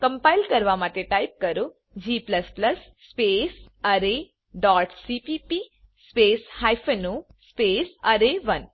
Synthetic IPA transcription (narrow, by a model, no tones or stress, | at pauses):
kɐ̃mpajlkəɾʋamat̪eʈaip̚kəɾu | d͡ʑiːplɐsplɐsːpeːs | əɾe | ɖaːʈsipipi | speːshajfeno | speːsəɾeʋɐn